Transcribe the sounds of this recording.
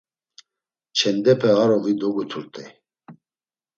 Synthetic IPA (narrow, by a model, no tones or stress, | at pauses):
t͡ʃʰɛnd̪ɛpʰɛaɾɔvid̪ɔɡut̪ʰuɾt̪ʼɛ